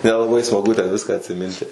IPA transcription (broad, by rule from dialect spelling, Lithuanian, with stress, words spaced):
nʲɛlˠɐˈbɐɪ smɐˈɡʊ tʲɛn ˈʋʲɪskɑː ɐtʲsʲɪˈmʲɪnʲtʲɪ